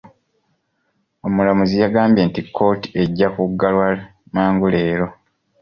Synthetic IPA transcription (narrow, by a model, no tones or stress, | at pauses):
omulamuzijaɡaːmbje̞ːntikʰːo̞ːti̥e̞ɟːakuɡːalwamaːŋɡule̞ːɾo̞